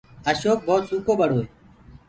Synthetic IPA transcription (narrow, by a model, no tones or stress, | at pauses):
əʃoːk̚boːt̪suːkoːbəɽ̤oːe